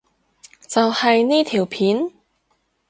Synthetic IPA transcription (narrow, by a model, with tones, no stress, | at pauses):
t͡sɐ˨whɐ˨jniː˥t̪ʰiː˨˩wpʰiː˨˥n